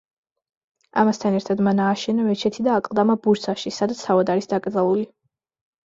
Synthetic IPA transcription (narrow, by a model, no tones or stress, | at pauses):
amast̪ʰanɛɾt̪ʰad̪manaːʃɛnamɛt͡ʃʰɛt̪ʰid̪aːkʼlˠd̪amabuɾsʰaʃisad̪at̪st̪ʰavad̪aɾisd̪akʼɾd̪zalˠuli